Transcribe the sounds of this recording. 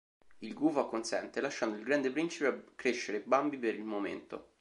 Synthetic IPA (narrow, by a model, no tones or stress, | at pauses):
ilɡuvakːonsɛnt̪elaʃːand̪oilɡɾand̪epɾint͡ʃipeakːɾeʃːeɾebːambipeɾilmomḛnt̪o̰